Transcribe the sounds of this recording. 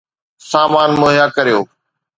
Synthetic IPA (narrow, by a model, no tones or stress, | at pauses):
saːmaːnmʊɦjaːkɐɾijoː